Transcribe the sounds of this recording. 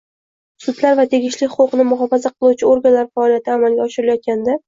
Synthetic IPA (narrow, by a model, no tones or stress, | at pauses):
sʊd̪laɾvat̪ʰe̞ɡʲɪʃlɪχʊqʊqnɪmʊɦɒfazaqʰɨlˠuwt͡ʃʰɪoɾɡʲanlaɾfaɒlijat̪ʰɪamalɡʲaɒʃɪɾɪlajɒt̪̚kʲand̪a